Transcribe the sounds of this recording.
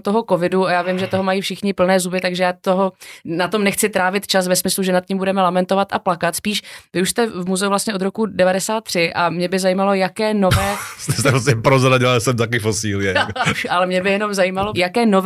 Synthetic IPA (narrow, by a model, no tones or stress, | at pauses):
t̪o̞ɦo̞ko̞vɪduajaːvɪmʒɛt̪oɦomajiːfʃɪxɲɪpl̩nɛːzubɪt̪aɡʒɛjaːt̪oɦo̞nat̪omnɛxt͡sɪt̪ɾaːvɪt̪t͡ʃas̬vɛsmɪsluʒɛnat̪̚cɪmbudɛmɛlamɛnt̪o̞vat̪aplakat̪spiːʃvɪuʃst̪ɛvmuzɛuvlast̪ɲɛʔod̪ɾo̞kudɛvadɛsaːt̪̚ːr̥ɪʔamɲɛbɪzajiːmalo̞jakɛːnovɛːt̪ɛst̪ɛos̬ɛmpɾozɾaɟɪasɛmt̪ak̬ɪfosiːlɪjɛalɛmɲɛbɪjɛno̞mzajimalo̞jakɛːno̞v